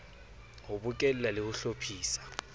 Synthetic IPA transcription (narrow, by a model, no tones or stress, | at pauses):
hʊbʊkʼɛl̩lalɪhʊɬopʰiːsḁ